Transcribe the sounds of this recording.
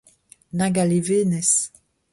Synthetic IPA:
naɡaleveːnɛs

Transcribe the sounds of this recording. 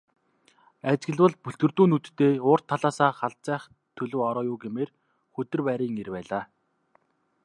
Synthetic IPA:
æt͡ɕɡɘ̆ɮwə̆ɮpɵɬt̪ɡɵ̆rt̪uːnut̪ːeːʊːr̥t̪ʰːaɮaːsaːχaɬt͡sæːχ | t̪ʰɵɮɵ̆wɔɾɔːjʊːɡemeːr | xɵt̪ɵ̆rpæɾiːŋerpæːɮaː

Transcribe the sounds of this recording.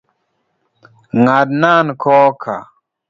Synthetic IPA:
ŋadnaːnkʰoːkʰa̰

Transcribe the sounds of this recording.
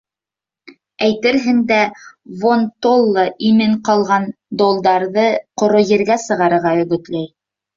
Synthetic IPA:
æjt̪ɘɾɦɘnd̪ævont̪olˠːɤʔimɘɴqɑlˠʁɑn | d̪olˠd̪ɑɾðɤqŏɾojɘ̆ɾɡæsɤ̆ʁɑɾɤ̆ɾʁɑjɵ̆ɡɵ̆t̪læj

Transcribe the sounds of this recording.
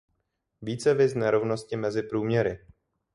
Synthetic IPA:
viːt͡sɛvɪznɛɾo̞vno̞scɪmɛzɪpɾuːmɲɛɾɪ

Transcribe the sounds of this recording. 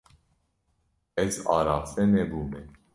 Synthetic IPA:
ɛzɑ̰ɾafɛnɛbumɛ

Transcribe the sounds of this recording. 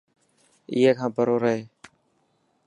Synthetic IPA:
ɪ̰ːɦeːkʰãːpəɾoːɾəɦeː

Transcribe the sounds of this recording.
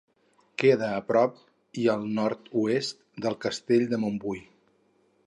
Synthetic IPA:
keðəːpɾɔp̚ | iəlˠnɔɾt̪uest̪d̪əlˠkəst̪eʎd̪əmombuj

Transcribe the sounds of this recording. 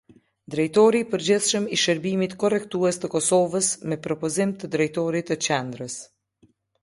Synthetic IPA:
d̪ɾɛjt̪ɔɾipəɾd͡ʑiθʃəmiʃəɾbimit̪kɔrɛkt̪uɛst̪əkɔsɔvəsmɛpɾɔpɔzimt̪əd̪ɾɛjt̪ɔɾit̪ət͡ʃɛnd̪ɾəs

